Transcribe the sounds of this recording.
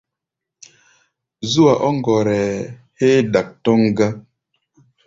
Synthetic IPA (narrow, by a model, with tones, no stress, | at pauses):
zu˦wa˨ʔɔ˦ŋɡɔ˨ɾɛ˨he˦ɗa˨k̚tɔ˦ŋɡa˦